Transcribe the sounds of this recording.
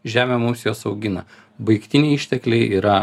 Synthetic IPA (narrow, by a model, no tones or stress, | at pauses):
ʒʲæːmʲoːmuːsʲejoːsɒʊɡʲɪnɐ̰ | bɐɪkt̪ʲɪnʲɛɪɪʃʲt̪ʲɛklʲɛɪʔiːɾɐ